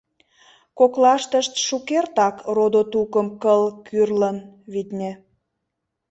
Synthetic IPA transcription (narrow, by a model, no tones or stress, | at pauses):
koklɑʃt̪əʃt̪ʃukert̪ɑkrod̪ot̪ukəmkəlkʰyrlənβit̪nʲĕ